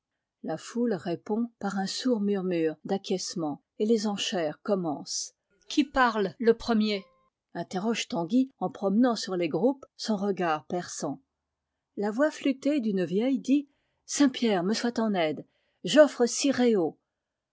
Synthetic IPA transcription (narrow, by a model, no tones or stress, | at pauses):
lafulʁepɔ̃paʁɛ̃suʁmyʁmyʁd̪akʲɛsmɑ̃ | elezɑ̃ʃɛʁkɔmɑ̃s | kʰʲipaʁlləpχəmje | ɛ̃t̪eʁɔʒt̪ɑ̃ɡʲiɑ̃pχɔmnɑ̃syʁleɡʁupsɔ̃ʁəɡaʁpɛʁsɑ̃ | lavwaflyt̪ed̪ynvjɛjd̪i | sɛ̃pjɛʁməswat̪ɑ̃nɛd̪ | ʒɔfχəsiʁeo